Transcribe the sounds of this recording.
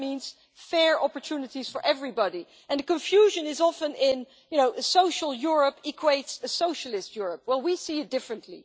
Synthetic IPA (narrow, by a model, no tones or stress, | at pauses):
mĩnz̥ | fɛɹɑpə˞tʰunɨtiz̥fə˞ʔɛvɹibɑɾi | ʔɨ̃nðəkɨ̃ɱfjuʒɨ̃nɪzɑfə̃nɪ̃n | jɨnoʊɨsoʊʃəl̩ˠjʊɹəpikʰweɪtsɨsoʊʃəl̩ˠɪstjʊɹəp̚wɛlˠwisiɨt̚d̥ɪfɹɨ̃ntli